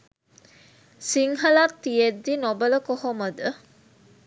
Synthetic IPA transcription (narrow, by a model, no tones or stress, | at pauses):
siŋɦɐlat̪ːijed̪ːinobələkohoməd̪ə